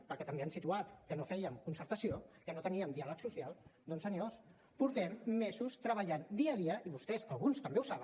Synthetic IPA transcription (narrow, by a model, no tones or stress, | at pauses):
pəɾkɛt̪əmbeansit̪uat̪kənofɛjəmkunsəɾt̪əsiokənot̪əniəmd̪ialəksusialˠd̪onsənos | puɾt̪ɛmːɛzust̪ɾəβ̞əʎand̪iəðiəʔiβust̪ɛzɐlˠɣunst̪əmbeusaβə